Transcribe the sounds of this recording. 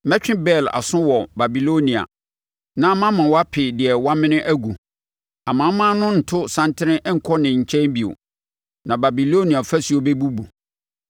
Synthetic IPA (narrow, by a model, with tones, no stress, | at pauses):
mɛ̃˦t͡ɕᶣɪ̃˦bɛ˦˨la̰˨sʊ̃˦wɔ˨ba˨bi˨lo˦nĩ˨a̰˨ | nã˦mã˦mã˨wɔ˦a˦pʰɪ˨dɪ˨ɛ˨wa˦mɪ̃˦nɪ̃˦ʔæ˦ɡu˨ | a˨mã˨˦mã˦nʊ̃˦n̩˨tʰʊ˦sã˦ntʰɪ˦ɾɪ̃˦ʔɛ˦ŋ̩˨kʰɔ˦nɪ̃˨ɲ̩˨t͡ɕʰɛ̃˦nbi˨o̰˨ | nã˨ba˨bi˨lo˦nĩ˨a˨fæ˦su˨o˦bɛ˦bu˦bu˨